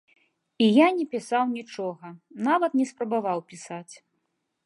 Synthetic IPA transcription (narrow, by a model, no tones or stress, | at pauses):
ijanʲɛpʲisawnʲit͡ʂɔɣɐnavɐt̪nʲɛspɾɐbavawpʲisat͡sʲ